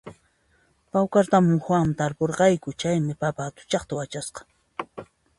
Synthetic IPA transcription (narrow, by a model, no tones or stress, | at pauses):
pawkaɾt̪amʊŋxwaŋmɪt̪aɾpoɾqɑjkʊt͡ʃajmɪpapaːt̪ʊ̥t͡ʃɑχt̪awat͡ʃasqɑ̥